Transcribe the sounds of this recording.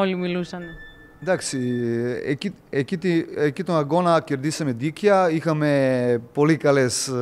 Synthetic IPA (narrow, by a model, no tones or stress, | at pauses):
olimilusɐne | d̪aksiḛci | ecit̪iecit̪onɐɡonɐceɾd̪isemed̪ikaixɐmepolikɐles